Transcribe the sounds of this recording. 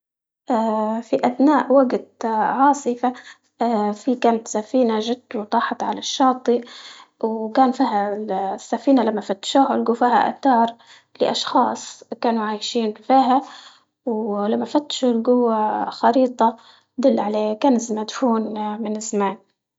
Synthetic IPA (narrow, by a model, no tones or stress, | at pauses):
ʔaːfiʔad̪naːʔwaɡt̪ʕɑːsˤɨfa | fikaːnat̪safiːnaʒɪd̪wt̪ˤɑːħɑt̪ˤʕa̰laʃːɑːt̪ˤiwkaːnfiːɦasːafiːnalamːafat̪ːʃuhʊlɡufiːha̰ʔa̰t̪ːɑːɾˤ | lɪʔɑʃxɑːsˤkaːnuʕaːjʃiːnfiːɦa | wlamːafat̪ːʃulɡʊwːaxɑɾiːt̪ˤɑ | d̪ʊlːʕaleːkaːnɪzmad̪fuːnmɪnɪzːamaːn